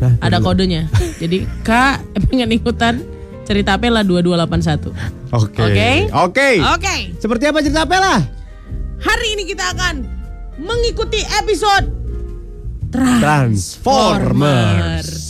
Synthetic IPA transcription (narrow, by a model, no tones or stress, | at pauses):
adakodoɲad͡ʒadikaʔpeŋanikut̪an | t͡ʃəɾit̪aːpelahduadualapans̬at̪ṵokokeokeokesəpərt̪iap̬at͡ʃəɾit̪apɛlah | haɾiːnikit̪aːkan | məŋikut̪iʔepisod̚ | t̪ɾaɾansfomər